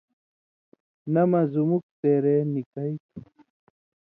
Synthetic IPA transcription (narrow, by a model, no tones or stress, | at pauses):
nɐmɐzumuk̚t̪eːɾeːnikɐit̪ʰ